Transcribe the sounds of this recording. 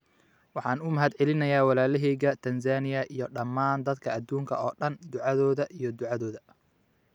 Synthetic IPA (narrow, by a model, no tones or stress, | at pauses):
wɑħɑːnʊmɐɦɐd̪ʕɛlɪnɐjaːwɑlaːlɛɦɛjɣɐt̪ʰɐnsaːnɪjɐʔijɞɖɐmːaːnd̪ɐd̪kʰɐɐd̪uːŋkʰɐɔːɗɐnd̪ʊʕɑðɔːðɐʔijɞd̪ʊʕɑðɔːðɐ